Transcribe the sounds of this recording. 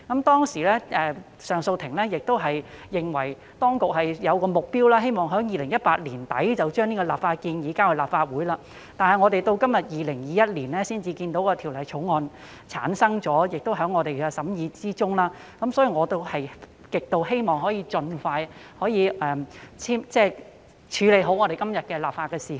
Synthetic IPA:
kɐ˨˦mt̪ɔː˥ŋsiː˨˩lɛː˥ʔɛː˨ | sœː˨˩ŋso˧wt̪ʰɪ˨˩ŋlɛː˥jɪ˨k̚t̪o˥wɦɐ˨jjɪ˨˩ŋwɐ˨˩j | t̪ɔː˥ŋkʊ˨k̚ɦɐ˨jjɐ˨˧wkɔː˧mʊ˨k̚piː˥wlaː˥ɦe˥jmɔː˨ŋɦœː˨˥ŋjiː˨˧lɪ˨˩ŋjɐ˥t̚paː˧t̚liː˨˩nt̪ɐ̰˨˥jt͡sɐ˨wt͡ʃœː˥ŋniː˥kɔ˧la̰ː˨p̚faː˧t̚kiː˧njiː˨˥kaː˥wɐ˨˩laː˨p̚faː˧t̚wuː˨˥jlaː˧ | t̪aː˨nɦɐ˨jŋɔː˨˧t̪e˨jt̪o˧wkɐ˥mjɐ˨t̚jiː˨˧lɪ˨˩ŋjiː˨˧jɐ˥t̚liː˨˩nlɛː˥siː˥nt͡siː˧kiː˧nt̪o˨˥wkɔː˧t̪ʰi˨˩wlɐ˨˩jt͡ʃʰʊ˨˥wŋɔː˧n | t͡sʰaː˨˥nsɐ˥ŋt͡sɔː˨˥jɪ˨k̚t̪o˥wɦœː˨˥ŋːɔː˨˧t̪e˨jkɛː˧sɐ˨˥mjiː˨˧t͡siː˥t͡sʊ˥ŋlaː˥ | kɐ˨˥msɔː˨˥jiː˧ŋɔː˨˧t̪o˧˥whɐ˨j | kɪ˨k̚t̪o˧wɦe˥jmɔː˨˩ŋɦɔː˨˥jiː˨˧t͡sɵ˧nfaː˧jhɔː˨˥jiː˨˧ʔɛː˨t͡sʰiː˥mt͡sɛː˥˩ | t͡ʃʰyː˨˧le˨˧jɦo˨˥wŋɔː˨˧ɾe˨jkɐ˥mjɐ˨t̚kɛː˧laː˨p̚faː˧t̚kːɛː˧siː˨˩

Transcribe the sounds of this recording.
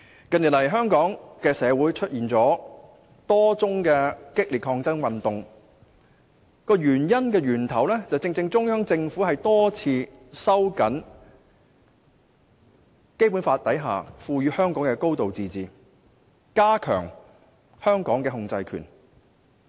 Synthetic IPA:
kɐ˨nji˨˩lɐ˨˩jɦœː˥ŋkɔː˨˥ŋkɛː˧sɛː˨˧wuː˨˥jt͡ʃʰɵ˥t̚jiː˨nt͡sɔː˨˥ | t̪ɔː˥t͡sʊ˥ŋkɛː˧kɪ˥k̚li˨kʰɔː˧ŋt͡sɐ˥nwɐ˨nt̪ʊ˨ŋ | kɔː˧jyː˨˩njɐ˥nkɛː˧ɥyː˨˩nt̪ʰɐ˨˩wlɛː˥t͡sɐ˨wt͡sɪ˧ŋt͡sɪ˧ŋt͡sʊ˥ŋjœː˥ŋt͡sɪ˧ŋfuː˨˥ɦɐ˨jt̪ɔː˥t͡sʰiː˧ | sɐ˥wkɐ˨˥n | ke˥jpuː˨˥nfaː˧t̪ɐ˨˥jɦa̰ː˨fuː˨˧jyː˨˧hœː˥ŋkɔː˨˥ŋkɛ˧ko˥wt̪o˨wt͡siː˨˧t͡siː˨ | kaː˥kʰœ̰ː˨˩ŋ | hœː˥ŋkɔː˨˥ŋkɛː˧ɦʊ˧ŋt͡sɐ˧jkʰy̰ː˨˩n

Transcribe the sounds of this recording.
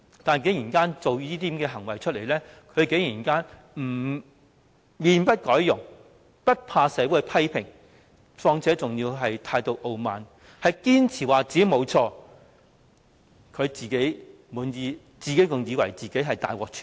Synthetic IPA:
t̪aː˨n˨k̬e˨˥ŋjiː˨˩nkaː˥nt͡so˨wjiː˥t̪iː˥mkɛː˧ɦɐ˨˩ŋwɐ˨jt͡ʃʰɵ˥t̚le˨˩jlɛː˥kʰɵ˨˧ɥke˨˥jiː˨˩nkaː˥n | m̩˨˩ | miː˧npɐ˥t̚kɔː˨˥jjʊ˨˩ŋ | pɐ˥t̚pʰaː˧sɛː˨˥wuː˨˥jpʰɐ˥jpʰɪ˨˩ŋ | fɔː˧ŋt͡sʰɛː˨˥t͡sʊ˨ŋjiː˧wɦɐ˨jt̪ʰaː˧jt̪o˨wʔo˨˧wmaː˨n | hɐ˨jkiː˥nt͡sʰiː˨˩waː˨˩t͡siː˨˥mo˨˧wt͡sʰɔː˧ | kʰɵ˨˧ɥt͡siː˨ke˨˥j | muː˨˧njiː˨˧ | t͡siː˨ke˨˥jkʊ˨˩ŋjiː˨˧wɐ˨˩jt͡siː˨ke˨˥jɦɐ˨˩jt̪a̰ː˨jwɔː˨k̚t͡ʃʰyː˨˩

